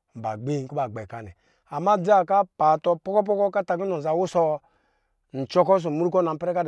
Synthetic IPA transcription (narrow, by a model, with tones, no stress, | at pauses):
m̩˨ba˨ɡ͡be˦˨ŋ˨ku˦ba˨ɡ͡be˨ka˦ni˨ | a˨mːa˦d͡za˦˨ka˦pa˨tɔ˧pɔ˦kɔ˦p̬ɔ˦kɔ˦ka˦ta˨k̬i˦nɔ˨n˨za˨wu˦sɔ˦ | n̩˨t͡ʃɔ˦kɔ˦s̬o˨mu˦ɾu˦kɔ˦na˨m̩˦pɛ˦ɾɛ˦ka˦d